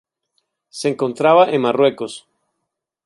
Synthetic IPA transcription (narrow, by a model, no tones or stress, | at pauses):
se̞eːŋko̞nt̪ɾaβaʔenmarwe̞ko̞s